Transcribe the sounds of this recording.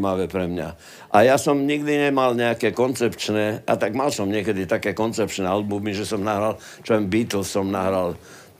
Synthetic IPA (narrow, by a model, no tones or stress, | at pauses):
maʋɛpɾɛmɲa̰ | ʔajasɔmɲiɡd̪iɲɛmalɲɛakɛːkɔnt͡sɛpt͡ʃnɛːʔa̰t̪aɡmalsɔmɲɪɛkɛd̪it̪akɛːkɔnt͡sɛp̚t͡ʃnɛːalbumiʒɛsɔmnaɦɾal | t͡ʃɔɛmbiːt̪l̩ssɔmnaɦɾal